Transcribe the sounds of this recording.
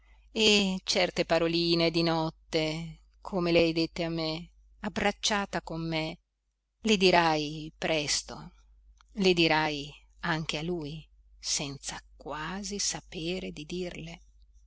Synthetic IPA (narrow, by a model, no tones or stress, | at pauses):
et͡ʃɛrt̪epaɾoliːned̪inɔt̪ːe | kʰomelajd̪et̪ːeamːe | abɾat͡ʃːaːt̪akomːe | led̪iɾajpɾɛst̪o̰ | led̪iɾaj | aŋk̟ealuj | sɛnt̪sakwaːzisapeːɾed̪id̪irle